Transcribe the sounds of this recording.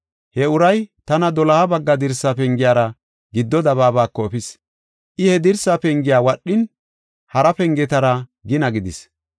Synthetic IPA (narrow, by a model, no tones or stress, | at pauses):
hɛʊɾɐjt̪ɐnɐd̪ɔlɐhɐbɐɡːɐd̪ɪɾsːapɛŋɡɪjaːɾɐ | ɡɪd̪ːɔd̪ɐβaːbaːkːɔɛpɪs | ʔɪhɛd̪ɪɾsaːpɛŋɡɪjaːwɐɗːɪn | hɐɾɐpɛŋɡɛt̪ɐɾɐɡɪnɐɡɪd̪ɪs